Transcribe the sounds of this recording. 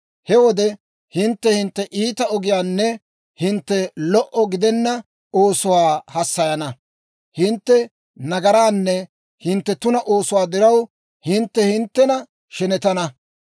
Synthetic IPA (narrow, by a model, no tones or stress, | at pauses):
hɛwɔd̪ɛ | hɪnt̪ːɛhɪnt̪ːɛʔiːt̪ɐɔɡɪjaːnːɛ | hɪnt̪ːɛlɔʔɔɡɪd̪ɛnːɐ | oːsʊwaːhɐsːɐjɐnɐ | hɪnt̪ːɛ | nɐɡɐɾaːnːɛ | hɪnt̪ːɛt̪ʊnɐʔo̞ːsʊwaːd̪ɪɾɐw | hɪnt̪ːɛhɪnt̪ːɛnɐ | ʃɛnɛt̪ɐnɐ